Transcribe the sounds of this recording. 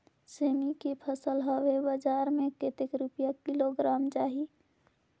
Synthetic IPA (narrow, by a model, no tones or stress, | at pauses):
seːmikepʰəsəlɦəʋebəd͡ʒaːɾmẽket̪ekɾupjakiloɡɾaːmt͡ʃaːɦi